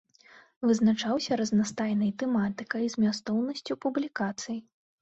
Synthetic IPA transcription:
vɨznat͡ʂawsʲɐɾɐznast̪ajnɐjt̪ɛmat̪ɨkɐjzmʲas̬t̪ɔwnɐsʲt͡sʲupublʲikat̪sɨji

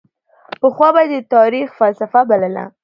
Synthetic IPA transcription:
pəxwɑbajed̪ət̪ɑɾixfalsafabaləla̰

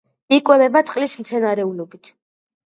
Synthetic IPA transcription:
ikʼwɛbɛbat̪sʼqʼlismt̪sʰɛnaɾɛulɔbit̪ʰ

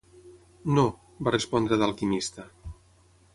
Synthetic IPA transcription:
no | barespɔnd̪ɾəðəlˠkimist̪ə

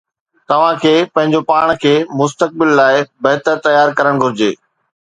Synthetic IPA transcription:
t̪ɐʋ̤ãkʰeːpɐ̃ɦɪ̃ɲ̆d͡ʑopaːɽ̃kʰeːmʊst̪ək̚bɪlːaːɪbɐɦt̪əɾt̪ɐjaːɾkɐɾəɽ̃ɡʱʊɾɪd͡ʑeː

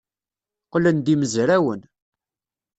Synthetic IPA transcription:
qlənd̪iməzɾæwən

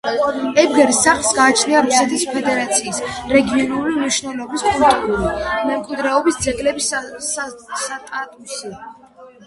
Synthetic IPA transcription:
ɛbɡɛɾisaχlˠsɡaːt͡ʃʰniaɾusɛt̪ʰispʰɛd̪ɛɾat̪sʰiːsɾɛɡiɔnulimniʃvnɛlˠɔbispʼɔlt̪ʼuɾimɛmkʼwid̪ɾɛɔbisd̪zɛɡlɛbis | t̪ʼat̪ʼusi

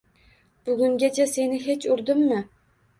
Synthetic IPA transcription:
b̥ʊɡʲʊŋɡʲat͡ʃʰase̞nɪɦe̞t͡ʃʊɾd̪ɪmːɪ

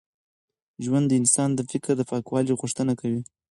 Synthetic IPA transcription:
ʒwand̪ːəɪnsɑnd̪əfɪkɾd̪əpɑkwɑliɣʊʂt̪ənakawi

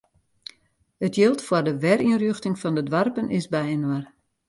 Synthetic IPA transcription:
ətjɪlˠtfwərdəʋɛrinrjøxtɪŋfɔndədʋarpənʔɪsbɛjənwar

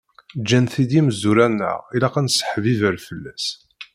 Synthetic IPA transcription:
d͡ʒːænθid̪iməzuɾænːə̰ʁilæqænsə̥ħvivəɾfəlːæs

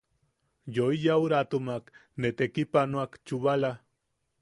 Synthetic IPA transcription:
joijauɾat̪umaknet̪ekipanoakt͡ʃuβala

